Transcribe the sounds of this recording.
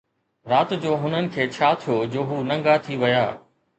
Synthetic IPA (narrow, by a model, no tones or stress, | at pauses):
ɾaːt̪d͡ʑoːɦʊnənɪ̆kʰeːt͡ɕʰaːt̪ʰijoːd͡ʑoːɦuːnɐ̃ŋɡat̪ʰiʋɐja̰ː